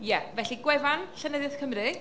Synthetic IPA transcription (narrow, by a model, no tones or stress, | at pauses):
jɛvɛɬiɡwɛvanɬənəðjaθkʰəmrɨ